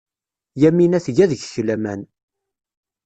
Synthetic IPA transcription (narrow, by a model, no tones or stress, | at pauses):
jæmːinæθʝæðəʝçlæmæn